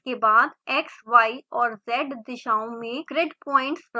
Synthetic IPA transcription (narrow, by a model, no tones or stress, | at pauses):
kebaːd̪ɛːksʋaːiɔːɾzɛːɖd̪ɪʃaːõmẽkɾeɖpɔ̃ːɪ̃ɳʈsɾ